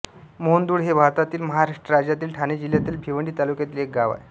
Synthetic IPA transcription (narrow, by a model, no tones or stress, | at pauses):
mond̪uːɽɦebʱaɾt̪at̪iːlməɦaɾaʂʈɾəɾad͡ʑjat̪iːlʈʰaned͡ʑiljat̪iːlbʱiʋəɳɖiːt̪alukjat̪iːlek̚ɡaʋa̰j